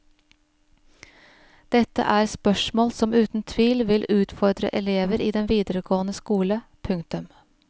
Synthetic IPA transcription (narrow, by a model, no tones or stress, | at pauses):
d̪̥ɛt̪ə̰ʔæːɾspœʃmoːlsɔmʉːt̪n̩t̪ʰʋiːlʋɪlʔʉːt̪fɔɾd̪ɾə̰ʔɛleːʋəɾiːd̪ɛnʋiːd̪əɾəɡoːənəskuːləpʰʉŋt̪ʉm